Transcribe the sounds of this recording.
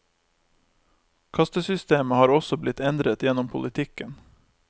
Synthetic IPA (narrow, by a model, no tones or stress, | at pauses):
kʰɑst̪əsʏst̪eːməhɑːɾɔsɔblɪt̪ɛnd̪ɾət̪jɛnɔmpʰʊ̰lɪt̪ʰɪkən